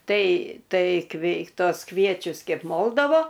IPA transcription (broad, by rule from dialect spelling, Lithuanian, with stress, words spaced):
ˈtɐɪ ˈtɐɪ ˈkʋʲɛɪ ˈtoːs ˈkʋʲiɛt͡ʃʲʊs ˈkʲɛɪp ˈmoːlˠdɐʋoː